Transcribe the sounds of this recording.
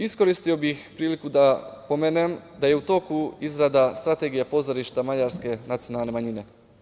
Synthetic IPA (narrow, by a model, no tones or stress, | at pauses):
isko̞ɾist̪io̞bixpɾiːlikud̪apo̞meːne̞md̪aje̞ut̪o̞kuizɾad̪ast̪ɾat̪e̞ɡijapo̞zoɾiʃt̪amad͡ʑaɾske̞nat̪sijo̞nalne̞maɲine̞